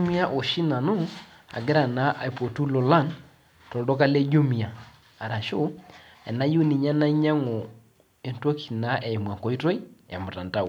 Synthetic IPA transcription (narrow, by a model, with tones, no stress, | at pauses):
mi˦a˦ʔo˨ʃi˦na˨no˦ | a̰˨ɡɪ˦ɾa˨na˨˦ʔa˨i˨po˨tu˦lo˨la˦˨n | tɔ˨dɔ˦ka˦le˦ɟo˦mi˨aː˨ | ɾa˨ʃo˦ | ɛ̰˨na˦jo˦ni˨ɲa˦na˦ɲa˦ŋɔ˨ | e˨ntwɔ˦kʰi˨na˦ʔɛ˨i˨mwa˨ŋkɔ˨˦i˦to˦i˦ja˨mʊ˨ta˨nta˦˨w